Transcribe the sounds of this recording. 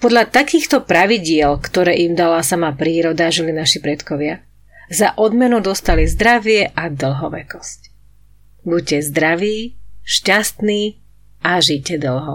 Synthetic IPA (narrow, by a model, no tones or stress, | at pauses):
pɔd̪ʎat̪akiːxt̪ɔpɾaʋiɟɪɛlkt̪ɔɾɛːʔimd̪alasamapɾiːɾɔd̪aʒilinaʃipɾɛt̪kɔʋɪa | zaʔɔd̪mɛnud̪ɔst̪alizd̪ɾaʋɪɛʔad̪l̩ˠɦɔʋɛ̰kɔsc | bucɛzd̪ɾaʋiːʃcast̪niː | ʔaʒicɛd̪əl̩ˠɦɔ